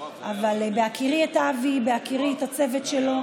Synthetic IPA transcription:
ʔavalbeakʰiʁietaːvibeakiʁietat͡se̞vet̪ʃelo̞

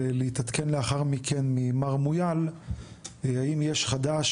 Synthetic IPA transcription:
leit̪at̪kʰe̞nleaχaʁmikʰenmimaʁmujal | aimjeʃχad̪aʃ

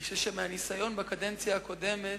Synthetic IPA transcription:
ʃeʃemeanisajo̞nbakade̞nt͡sjaːko̞de̞me

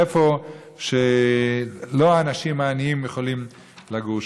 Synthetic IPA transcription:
efo̞ | ʃe | loaːnaʃimaːniimjeχo̞lim | laɡuʃ

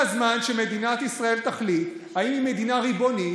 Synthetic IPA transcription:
azmanʃeme̞d̪inat̪isʁae̞lt̪aχlit̪ | haimimed̪inaʁiboni

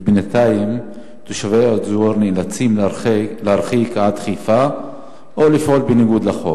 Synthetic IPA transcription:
bnat̪aim | t̪uʃaveod̪zuaʁnilat͡simlehaɾχikʕad̪χifa | ʔolifʔolbeniɡud̪laχo̰

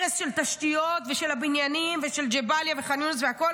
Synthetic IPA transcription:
ʁesʃe̞lt̪aʃt̪ijot̪veʃe̞labinjanimveʃeld͡ʒebaljaveχanjunsveako̞

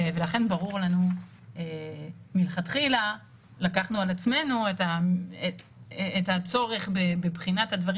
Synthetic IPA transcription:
ve̞laχe̞nbaʁuʁlanu | emilχatχila | lakaχnualat͡sme̞nuetaeː | that͡so̞ʁe̞χbebebχinathadvaʁi

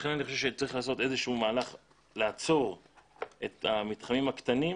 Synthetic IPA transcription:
χenaniχo̞ʃevʃet͡saʁiχlaːso̞t̪e̞zeʃuumaːlaχ | leat͡so̞ʁ | et̪hamit̪χamimakt̪ani

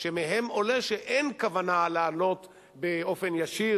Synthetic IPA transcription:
ʃemeɦemoleʃeʔenkavanaleːlo̞t̪ | beo̞fenjaʃi

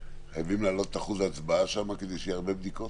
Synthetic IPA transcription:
χajavimlaːlo̞t̪e̥t̪aχuzaːt͡sbaaʃamaked̪ejʃejeaʁbe̞bd̪iko̞t

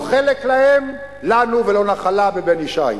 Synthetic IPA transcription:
χeleklahem | lanuvelo̞naχalabebeniʃa̰j

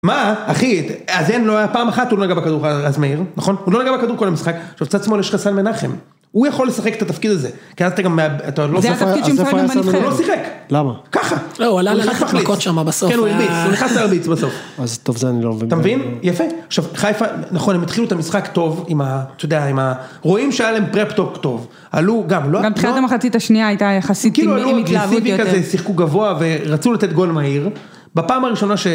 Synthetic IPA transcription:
maaχiazenlo̞ajapaːmaχat̪ulo̞naɡabakad̪uʁaazmeiʁnaχo̞nulo̞naɡabakad̪uʁko̞lamisχakʃavt͡sat̪smo̞ljeʃχasanmenaχem | ujaχo̞lːesaχeket̪at̪afkid̪aze̞kiazat̪aɡamːeabat̪alozfafidʃfalosiχeklamaːaχaoualaafaltkot̪ʃamabasoenuilbit͡suneχnasaalbit͡sbaso̞fazt̪ovzeanilomevit̪amevinjafeaχʃavχajfanaχo̞nhemit̪χiluet̪amisχakt̪o̞vimat̪ojod̪eaimaʁoimʃeajalaempʁept̪o̞pt̪o̞v | aluɡamloɡamt̪χilatamaχat͡sit̪aʃniaajt̪ajaχasikilualutivikazesiχkuɡavo̞ave̞ʁat͡sulat̪e̞t̪̚ɡo̞lmaiʁ | bapaːmaʁiʃo̞naʃe

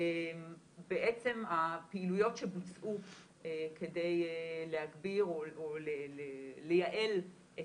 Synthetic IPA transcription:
em | beʔet͡se̞mapeilujo̞tʃebut͡sʔu | ekʰe̞dejlehaɡbiʁoolelelejaʔe̞l | e

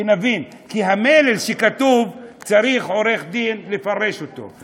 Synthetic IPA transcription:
navin | kiɦamele̞lʃekat̪uvt͡saʁiχo̞ʁe̞χd̪inlefaʁe̞ʃot̪o̞̰

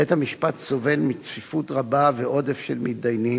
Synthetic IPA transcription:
ethamiʃpatso̞velmit͡sfifutʁabaveʔo̞de̞fʃelmid̪ajni

